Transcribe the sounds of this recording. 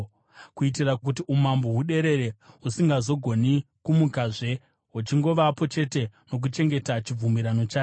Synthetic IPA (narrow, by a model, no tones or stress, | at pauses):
kuit̬irakut̬iʔumamboɦuɗe̞ɾe̞ɾe̞usiŋɡazo̞ɡʱo̞ni | kumukaʐe̞ | wut͡ʃiŋɡo̞ʋapo̞t͡ʃe̞te̞no̞k̬ut͡ʃe̞ŋɡe̞tat͡ʃib͡vumiɾano̞t͡ʃaːo